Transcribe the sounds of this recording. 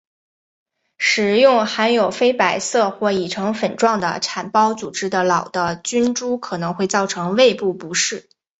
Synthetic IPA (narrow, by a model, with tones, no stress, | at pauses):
ʂɻ̩˨˩jʊ˥˩ŋxa˧˥njo˨˩ʊfe˥ɪpa˨˩ɪsɤ˥˧xwɔ˥˩i˨˩ʈ͡ʂʰɤ˧˥ŋfə˨˩nʈ͡ʂwɑ˥˩ŋd̪ə̰˩ʈ͡ʂʰa˨˩npɑ˥ʊt͡su˨˩ʈ͡ʂɻ̩˥d̪ə˨˩lɑ˨˩ʊd̪ə˦t͡ɕy˥nʈ͡ʂu˥kʰɤ˨˩nɤ˧˥ŋxwe˥˧ɪt͡sɑ˥˩ʊʈ͡ʂʰɤ˧˥ŋwe˥˧ɪpu˥˩pu˧˥ʂɻ̩˥˩